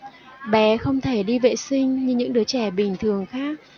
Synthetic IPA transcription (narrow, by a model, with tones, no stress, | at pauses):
ɓɛ˨˦xə˧wŋ͡mt̪ʰe˧˩ɗi˧vḛ˧˨sï˧ŋ̟ɲɨ˧ɲɨ̰˧˥ŋɗɨ˨˦t͡ɕɛ˧˩ɓï˨˩ŋ̟t̪ʰɨ˨˩əŋxaː˦˥k̚